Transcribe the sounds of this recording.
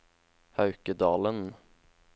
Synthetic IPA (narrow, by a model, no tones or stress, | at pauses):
hœʉkəd̪ɑːlən